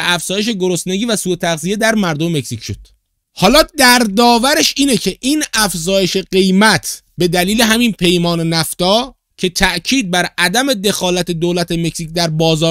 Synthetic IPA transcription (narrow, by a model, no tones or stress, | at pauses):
æfz̥ɒːje̞ʃ̬e̞ɡo̞ɾost̪ne̞ɡiːvæsuːet̪ʰæɣzije̞d̪æɾmæɾd̪omemecsicʃod̪̥ | hɒːlɒːd̪æɾd̪ɒːvæɾe̞ʃiːnecʰe̞ʔiːnæfzɒːje̞ʃe̞ɢe̞jmæt̪ʰ | be̞d̪æliːle̞ɦæmiːnpʰe̞jmɒːne̞næft̪ɒː | cʰe̞t̪ʰæʔcʰiːd̪̚bæɾʔæd̪æme̞d̪e̞xɒːlæt̪ʰed̪oːlæt̪ʰeme̞csiːcd̪æɾbɒːzɒː